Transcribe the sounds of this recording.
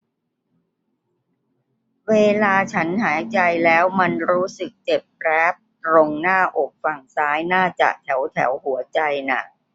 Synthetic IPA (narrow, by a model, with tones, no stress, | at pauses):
weː˧laː˧t͡ɕʰa˦˥nɦaː˩˦jt͡ɕa˧jlɛː˦˥wma˧nɾuː˦˥sɯ˨˩k̚t͡ɕe˨˩p̚kɾɛː˦˥p̚t̪ɾo˧ŋnaː˥˩ʔo˨˩k̚fa˨˩ŋsaː˦˥jnaː˥˩t͡ɕa̰˨˩ʔt̪ʰɛ˩˦wt̪ʰɛ̰˩˦wɦu˩˦ɐt͡ɕa˧jna̰˨˩